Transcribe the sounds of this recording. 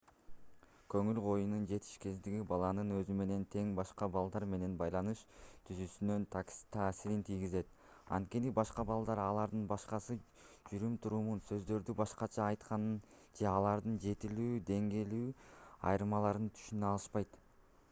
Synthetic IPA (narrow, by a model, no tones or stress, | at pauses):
kø̞ŋylqo̞junund͡ʒe̞t̪ʰi̥ʃke̞zd̪iɡʲibɑlˠɑnɯnø̞zyme̞ne̞nt̪ʰe̞ŋbɑʃqɑbɑlˠd̪ɑɾme̞ne̞nbɑjlˠɑnɯʃt̪ʰyzysynø̞nt̪t̪ʰɑːsiɾint̪ʰijɡize̞t̪̚ | ɑ̰nt̪̚ke̞nibɑʃqɑbɑlˠd̪ɑɾɑlˠɑɾd̪ɯnbɑʃqɑsɯ | d͡ʒyɾymt̪ʰuɾumunsø̞zd̪ø̞ɾd̪ybɑʃqɑt͡ʃʰɑːjt̪qɑnɯn | d͡ʒe̞ɑlˠɑɾd̪ɯnd͡ʒe̞t̪ilyːd̪e̞ŋɡe̞lyːɑ̰jɾɯmɑlˠɑɾɯnt̪ʰy̥ʃynøɑlˠɯʃpɑjt̪